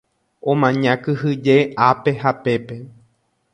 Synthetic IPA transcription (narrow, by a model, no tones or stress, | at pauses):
õmãɲãkɨɦɨd͡ʒeape̞ɦapepe̞